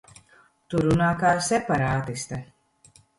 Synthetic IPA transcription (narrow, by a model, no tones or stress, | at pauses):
t̪uɾunaːkaːsɛpaɾaːt̪ist̪a